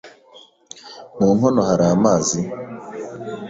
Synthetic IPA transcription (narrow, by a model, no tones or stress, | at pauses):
muːn̥onohaɾamaːzi